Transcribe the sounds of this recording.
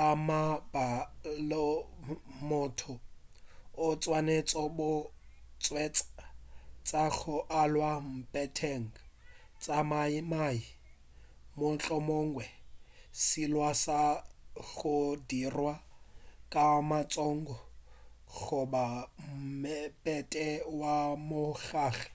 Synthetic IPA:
amabalɔ | mʊtʰɔ | ʊt͡sʼwanet͡sʼɔbʊt͡sʼwɛt͡sʼat͡sʼaɣʊʔalwam̩pʼɛtʰeŋ̩ | t͡sʼamaimai | mʊt͡ɬʼɔmoŋ̩wɛsilwasaɣʊdirwakʼamat͡sʼɔŋ̩ɡɔ | ɣʊbam̩mɛpʼɛtʼɛwamʊɣaːɣɛ̥

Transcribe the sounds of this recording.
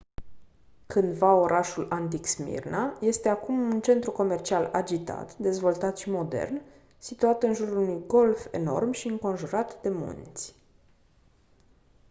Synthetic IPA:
kɨnd̪vao̞ɾʔaʃulant̪iksmḭrnaje̞st̪e̞akumunt͡ʃe̞nt̪ɾuko̞me̞rt͡ʃialad͡ʒit̪a̰t̪d̪e̞zvo̞lt̪at̪ʃimo̞d̪e̞̰rn | sit̪uat̪ɨnʒuɾuunujɡo̞lfe̞̰no̞̰rmʃiɨŋko̞nʒuɾat̪d̪e̞mṵnt̪sʲ

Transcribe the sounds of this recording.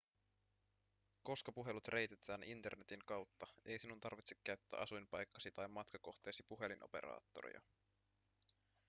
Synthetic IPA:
ko̞skɑpuɦe̞lut̪rʔe̞jt̪e̞t̪ʰæːnint̪e̞̰rne̞t̪iŋkɑwt̪ːɑe̞jsinunt̪ɑrʋit̪se̥kːæɥt̪ːæ̰ːʔɑsujmpɑjkːɑsit̪ɑjmːɑt̪kɑko̞xt̪e̞ːsipuɦe̞linʔo̞̰pe̞̰ɾɑ̰ːt̪ːo̞̰ɾḭɑ̰

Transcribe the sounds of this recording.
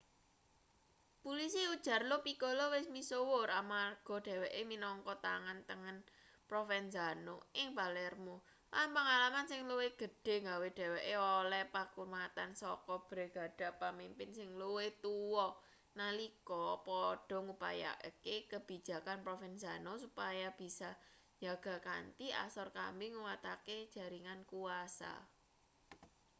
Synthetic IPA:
pulis̬iud̥ʒ̥ä̤rlopikɔlowɪsmisowʊramarɡ̥ɔ̤ɖ̥ɛ̤wɛʔeminɔŋkɔt̪a̰ŋant̪əŋən | pɾofɛnzanoɪŋbalɛrmo | lanpaŋalamansɪŋluweɡ̥ə̤ɖ̥e̤ŋɡaweɖ̥ɛ̤wɛʔeɔlɛpakurmat̪ansɔkɔb̥ɾe̤ɡ̥a̤ɖ̥a̤pəmimpɪnsɪŋluwet̪uwɔ | nalikɔpɔɖ̥ɔ̤ŋupa̰ja̰ʔkekəb̥i̤̥d͡ʒ̥a̤kanpɾofɛnzanosupajab̥i̤sa | d͡ʒaɡ̥ä̤ka̰nt̪ia̰sɔrka̰mbeŋuwat̪aked̥ʒ̥ä̤ɾiŋankuasa̰

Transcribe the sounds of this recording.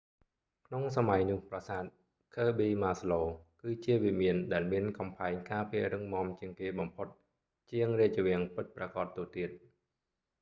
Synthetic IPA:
kʰnoŋsamajnʊ̆əhprɑsaːt̪̚ | kʰəːɓiːmaːsloːkɨːt͡ɕiəʋimiənɗaɛlmiənkɑmpʰaɛŋkaːpiəɾɨŋmŏəmt͡ɕiəŋkeːɓɑmpʰot̪̚ | t͡ɕiəŋriəc̚t͡ɕəʋɛ̆əŋpɨt̪̚prakɑt̪ːoːt̪iət̪̚

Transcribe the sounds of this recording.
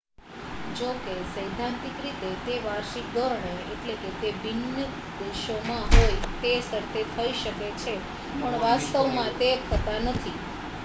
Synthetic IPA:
d͡ʒokesəjd̪ʱãnt̪ikɾit̪et̪eʋaɾʃik̚d̪ɔɾɦeeʈleket̪ebinːə | d̪eʃomãɦojt̪esəɾt̪ʰet̪ʰəiʃəket͡ʃʰe | pəɳʋast̪əʋmãt̪ek̪ʰət̪anət̪ʰi

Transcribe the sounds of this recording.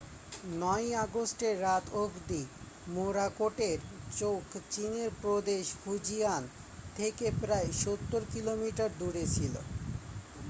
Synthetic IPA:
nɔjaɡosʈeɾːat̪ʰokd̪i | moɾakoʈeɾt͡ɕokt͡ɕineɾpɾod̪eʃhud͡ʑijan | t̪ʰekepɾaeʃot̪ːoɾkilomiʈaɾd̪uɾet͡ɕʰilo̰

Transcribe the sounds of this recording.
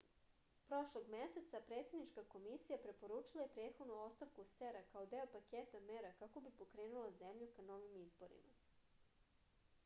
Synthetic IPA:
pɾo̞ʃlˠo̞ɡmese̞t̪sapɾet̪sed̪nit͡ʃkako̞misijapɾe̞po̞ɾuːt͡ʃilˠaje̞pɾe̞ːt̪xo̞d̪nuo̞st̪aʋkuseɾakaod̪eopakeːt̪ameɾakako̞bipo̞kɾe̞ːnulˠaze̞mʎukano̞ʋimizbo̞ɾḭma

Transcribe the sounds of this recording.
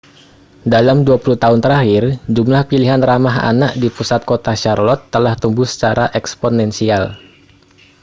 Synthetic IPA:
dalamduapuluht̪aʊnt̪əɾahɪrd͡ʒumlahpiliɦanramaɦa̰naʔdipusat̪̚kot̪aʃarlɔt̪ːəlaht̪umbʊhsə̥t͡ʃaɾaʔɛksponɛnsial

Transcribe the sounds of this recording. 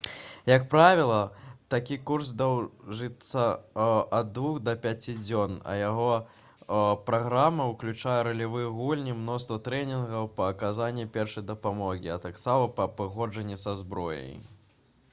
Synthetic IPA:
jɐk̚pɾavʲilˠɐt̪akʲikurs̬d̪awʐɨt̪sːɐɐd̪d̪vuxd̪ɐpʲat͡sʲid͡zʲɔnɐ̰jaɣɔ | pɾaɣɾamɐwklʲut͡ʂajɛɾɐlʲivɨjɣulʲnʲimnɔst̪vɐt̪ɾɛnʲinɣɐwpɐːkazanʲːipʲɛrʂɐjd̪ɐpamɔɣʲiɐt̪aksamɐpɐpɨɣɔd͡ʐɐnʲːisazbɾɔjɐ̰j

